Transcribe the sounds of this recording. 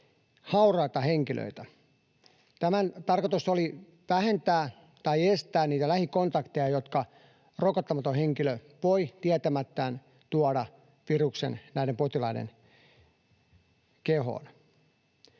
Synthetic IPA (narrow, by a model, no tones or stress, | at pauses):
hɑurɑit̪ɑheŋkilʔø̰it̪æ | t̪æmænt̪ɑrkot̪usoli | ʋæhent̪æː | t̪ɑiest̪æːnniːt̪ælæhikont̪ɑkt̪ejɑjot̪kɑ | rokɑt̪ːɑmɑt̪oheŋkiløʋoit̪iæt̪æmæt̪ːæːn | t̪uɑɾɑ | piruksḛnnæiɾempot̪ilɑinḛn | keho̰n